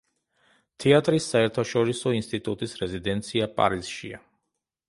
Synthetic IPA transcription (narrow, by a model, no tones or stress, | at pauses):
t̪ʰɛat̪ʼɾisːaɛɾt̪ʰaʃɔɾisɔinst̪ʼit̪ʼut̪ʼisɾɛzid̪ɛnt̪sʰiapʼa̰ɾiz̥ʃia̰